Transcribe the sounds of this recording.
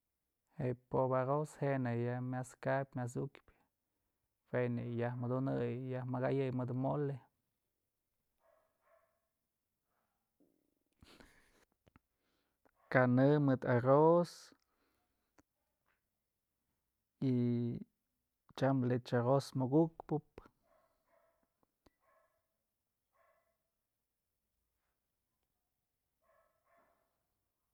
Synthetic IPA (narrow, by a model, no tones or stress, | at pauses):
hepobaɾoshenajahmʲaskapʲmʲas̬ukpʲ | fenejahmɨd̪unɨjjahmaɡajɨjmɨd̪mole | kanɨmɨd̪aros | i | t͡ʃamlet͡ʃaɣosmoɡukpɨp